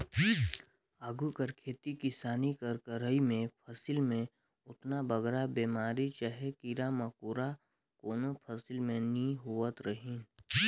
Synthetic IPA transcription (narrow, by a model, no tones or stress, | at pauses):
aːɡukəɾkʰeːt̪ikɪsaːnikəɾkəɾəimẽpʰəsɪlmẽ | ʊt̪nabəɡɾabeːmaːɾit͡ʃaɦekiɾamɐkuːɾa | koːnopʰəsɪlmẽnĩɦuət̪ɾəɦĩ